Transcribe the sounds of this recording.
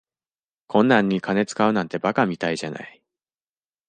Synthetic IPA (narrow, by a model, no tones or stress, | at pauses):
kʰõ̞nːãɲ̟ːikane̞t͡sɨ̥kaɯ̟nãnt̪e̞bakamʲit̪aiʑana̰i